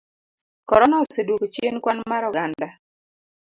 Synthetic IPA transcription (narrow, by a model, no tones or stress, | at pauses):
kɔɾɔnɔsedokt͡ʃjenkwanmaɾɔɡanda